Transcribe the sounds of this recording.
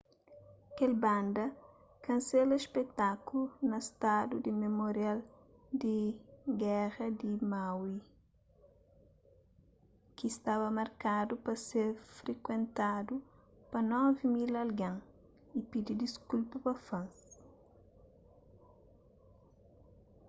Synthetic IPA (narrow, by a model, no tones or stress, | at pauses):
kɛlbãnd̪ɐ | kɐ̃nsɛlɐespet̪akulunɐst̪ad̪ud̪imemoɾjal | d̪iɡɛʁɐd̪imawi | kist̪abɐmɐɾkad̪upɐseɾfɾekwẽnt̪ad̪u | pɐnɔvimilɐlɡãŋ | ipid̪id̪iskulpɐpɐfãns